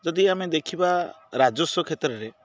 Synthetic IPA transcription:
d͡ʒɔd̪iamed̪ekʰiba | ɾad͡ʒɔsɔkʰet̪ɾɔɾe

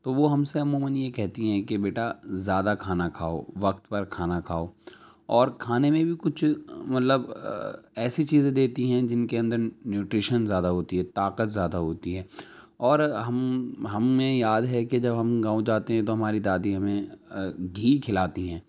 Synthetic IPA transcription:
t̪oʋoɦɐmseɐmuːmənjekɛɦt̪iɦɛ̃kebeːʈazjaːd̪akʰaːnakʰaːo̰ʋɐk̚t̪pɐɾkʰaːnakʰaːoː | ɔːɾkʰaːnemẽbʱikʊt͡ʃʰmɐt̪ləb | ɛːsit͡ʃiːzẽd̪eːt̪iɦɛ̃d͡ʒɪnkeɐ̃nd̪əɾnjuːʈɾɪʃənzjaːd̪aɦoːt̪iɦɛːt̪aːqət̪zjaːd̪aɦoːt̪iɦɛː | ɔːɾɦɐmɦɐmːẽjaːd̪ɦɛked͡ʒɐbɦɐmɡãːõd͡ʒaːt̪eɦɛ̃t̪oɦɐmaːɾid̪aːd̪iɦɐmẽ | ɡʱiːkʰɪlaːt̪iɦɛ̃ː

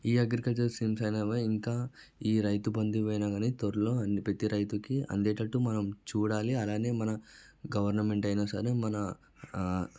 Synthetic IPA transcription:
iːɐɡɾikɐlt͡ʃɐɾsiːmsɐjnɐːʋɐiŋkaː | iːɾɐjt̪ubond̪iʋɐːjnaːɡaːniːt̪oɾulo̞ːɐnipɾet̪iɾɐjt̪ukiɐ̰nd̪eːʈɐʈːumɐnɐmt͡ʃuːɽaːliɐlaːne̞ːmɐnɐɡɐʋɐɾnɐme̞ɳʈɐjnaːsɐɾemɐnɐ

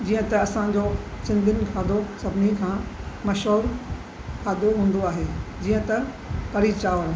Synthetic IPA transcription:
d͡ʑiːə̃t̪ɐɐsãd͡ʑoː | sɪ̃nd̪ʱɪnɪ̆kʰaːd̪osɐbʱɪnikʰãːmɐʃɦoːɾ | kʰaːd̪oɦũːnd̪oaːɦeːd͡ʑiːə̃t̪ɐ | pɐɾit͡ɕaːʋən

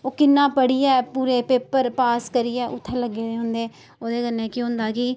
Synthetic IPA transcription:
oːkɪnːãːpəɽiːɛːpuːɾeːpeːpəɾpaːskəɾiɛːʔʊt̪ʰːəɾləɡːeːd̪eːɦʊ̃nd̪eː | oːd̪eːkənːẽːkjõːɦʊ̃nd̪aːkɪ

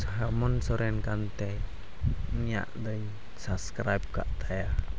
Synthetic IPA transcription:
saɦamɔnsɔɾɛnkant̪ɛ | ia̰ʔd̪əɲ | saskɾajp̚ka̰ʔt̪aja

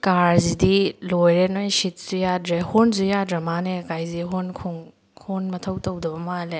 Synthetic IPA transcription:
kaɾzidilojɾenojsit̚zujadɾehonzujadɾɐmanekajziɦonkʰuŋ | honmɐtʰɐwtɐwdɐbɐmale

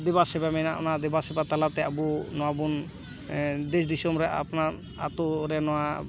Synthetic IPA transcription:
d̪ɛbasɛbamɛnaʔɔnad̪ɛbasɛbat̪alat̪ɛabunɔwabun | d̪ɛs̬d̪isɔmɾɛʔa̰pnaɾ | at̪uɾɛnɔwa

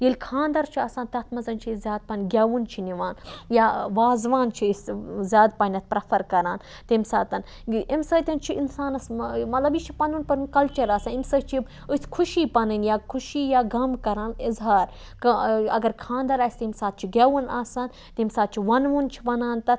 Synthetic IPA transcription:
jilʲkʰãːnd̪ɐɾt͡ʃʰiaːsaːnt̪ɐt̪ʰmɐzɐnt͡ʃʰizʲaːd̪̚pɐnɡʲaːʋunt͡ʃʰiniʋaːnjaʋaːzʋaːnt͡ʃʰiszʲaːd̪̚pɐnʲɐt̪̚pɾɐpʰɐɾkɐɾaːn | t̪imsa̰ːt̪ɐn | imsɐt̪ʲɐnt͡ʃʰiinsaːnɐsmɐt̪lɐbjit͡ʃʰi̥pɐnunpɐnɨnkɐlt͡ʃɐɾaːsaːnimsɐt͡ʃʰib | ɨsʲkʰuʃiːpɐnɨnjaːkʰuʃiːjaːɡɐmkɐɾaːnizɦaːɾ | kɐ̰ɡɐɾkʰãːnd̪ɐɾaːsʲt̪imsaːt̪̚t͡ʃʰiɡʲaːʋunaːsaːn | t̪imsaːt̪̚t͡ʃʰiʋɐnʋunt͡ʃʰi̥ʋɐnaːnt̪ɐt̪

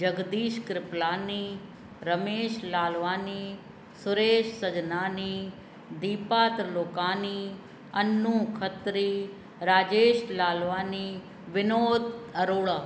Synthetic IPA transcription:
d͡ʒəɡd̪iːʃkɾɪplaːniː | ɾəmeːʃlaːlʋaːniː | sʊɾeːʃsəd͡ʒnaːniː | d̪iːpaːt̪ɾloːkaːniː | ɐnːũːkʰət̪ɾiː | ɾaːd͡ʒeːʃlaːlʋaːniː | ʋɪnoːd̪ɐɾoːɭaː

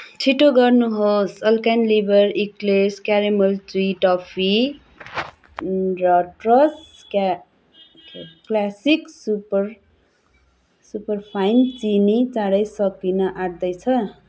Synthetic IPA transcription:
t͡sʰiʈoɡʌrnuɦosʌlkanlibʌɾikleskjaɾemʌlt͡suiʈʌpʰi | rʌʈrʌs | ka | kklasiksupr | supʌrpʰajnt͡sinit͡saɽʌjsʌkinʌʔaɽd̪ʌjt͡sʰʌ

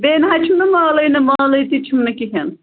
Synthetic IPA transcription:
beːnɦat͡ʃʰumnɐmaːlɐjnɐmaːlɐjt̪it͡ʃʰumnɐkiɦɐn

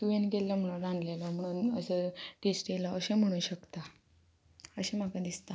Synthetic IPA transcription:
t̪ujenɡelːəm̤əɽunɾãnd̪lelam̤əɽ̃uːnəsəʈesʈjelaəɕẽm̤əɽ̃ũːɕəkt̪a | əɕem̤akad̪ist̪a

